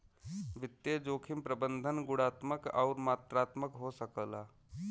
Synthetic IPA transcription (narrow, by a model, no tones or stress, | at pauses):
ʋɪt̪ːjed͡ʒoːkʰɪmpɾəbə̃nd̪ʱənɡʊɽaːt̪məkɔːɾmaːt̪ɾaːt̪məkɦosəkəla̰ː